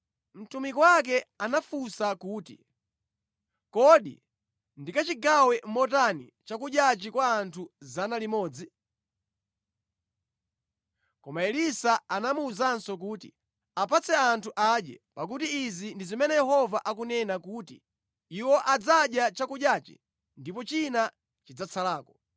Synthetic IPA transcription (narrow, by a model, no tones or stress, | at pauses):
m̩tumikwak̬ɛanafusakuːtḭ | kɔɗḭ | ndikat͡ʃiɡawɛm̩mɔtanḭt͡ʃakuɗjat͡ʃikwaːntʰuzanalimɔːd͡zi | kɔmaɛlisaanamuːzansɔk̬uːtḭ | apʰat͡sɛantʰuʔaɗɛ̰pak̬utiːzindizimɛnɛjɛɦɔvaʔakunɛnakuːtḭ | iwɔʔad͡zaɗjat͡ʃakuɗjaːt͡ʃḭ | ndipɔt͡ʃina | t͡ʃid͡zat͡sʰalaːkɔ